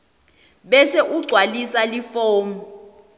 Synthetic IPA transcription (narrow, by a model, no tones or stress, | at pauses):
ɓɛseʔuɡ͡ǀʱwalisalifoːmu